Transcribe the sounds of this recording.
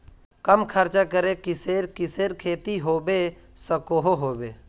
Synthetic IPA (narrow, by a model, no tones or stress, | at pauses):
kəmkʰəɾt͡ʃakəɾekɪseːɾkɪseːɾkʰeːt̪iɦoːbe | səkoɦoɦoːbe